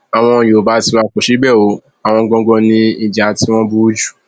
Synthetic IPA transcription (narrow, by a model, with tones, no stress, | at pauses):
a˨w̃ɔ̃˧˨jo˨ba˨˦ti˧wa˧ko˨ʃi˨˦bɛ˦˨o˨˦ | a˨w̃ɔ̃˧ɡɔ̃˧ɡɔ̃˧nĩ˧i˨d͡ʒa˨˦ti˦w̃ɔ̃˦bu˦d͡ʒu˦˨